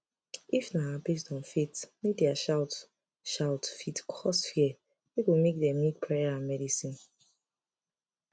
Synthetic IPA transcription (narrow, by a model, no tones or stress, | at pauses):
ifnaabes̬tɔ̃nfitmek̚dɛaʃaʊt | ʃawtfitkʰɔsfiɛ | beɡomek̚dɛ̃mmːik̚pʰɹɛjaãnmɛdisĩn